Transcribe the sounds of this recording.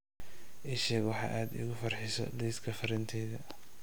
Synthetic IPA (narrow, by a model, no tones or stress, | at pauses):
ʔiʃɛːɡwɑħɑ̰ːʔaːd̪ɪ̰ɣʊfɐrħɪsɔ̰lɛːskʰɐfɐɾɛnt̪ʰɛjðɐ